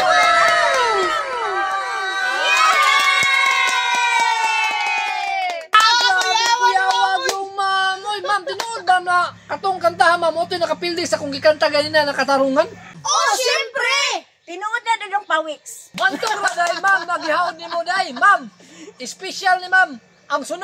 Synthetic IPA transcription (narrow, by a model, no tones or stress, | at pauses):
ajawaɡumamoimamt̪inuːt̪̚mamnakat̪uŋkant̪aɦamamot̪ujnakapildisakuŋɡikant̪aɡaninanakat̪aɾuŋanosɛmpɾi | t̪inuʊt̪̚nad̪ud͡ʒoŋpawiksmant̪uŋladajmamnaɡiɦaʊnimodajmam | ɪspɛʃalnimam | aŋsun